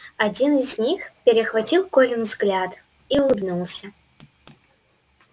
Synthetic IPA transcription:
ɐd͡zʲinɨzʲnʲixpʲɪɾʲɪxvat͡sʲilˠkɔlʲɪnvzɡlʲat̪ | iulˠɨb̪nulˠsʲɐ

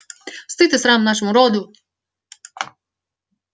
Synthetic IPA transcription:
st̪ɨt̪ɛsɾamnaʃɔmuɾɔd̪u

